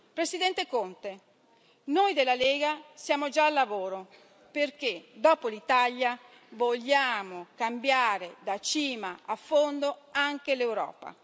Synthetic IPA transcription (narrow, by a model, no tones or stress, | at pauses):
pɾesid̪ɛnt̪ekont̪e | nojd̪elːaleːɡasjaːmod͡ʒaːlːavoːɾo | perk̟ed̪ɔːpolit̪aʎja | voʎːaːmokambjaːɾed̪at͡ʃiːmaafːond̪oaŋkelewɾɔ̰ːpa̰